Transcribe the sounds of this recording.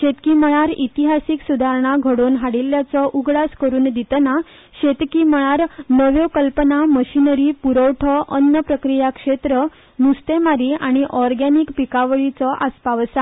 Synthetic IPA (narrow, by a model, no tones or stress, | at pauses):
ɕet̪kiməɭaɾit̪iɦasiːksud̪ʱaɾɳaɡʱəɽoːnɦaɽilːjat͡sɔʔuɡɽaskəɾuːnd̪it̪əna | ɕet̪kiməɭaɾnəʋjokəlpənaməɕinəɾiːpuɾəwʈʰəʔənːəpɾəkɾijakʂet̪ɾə | nust̪emaɾiːaɽ̃iʔɔɾɡaniːkpikaʋəɭit͡sɔʔaspaʋəsa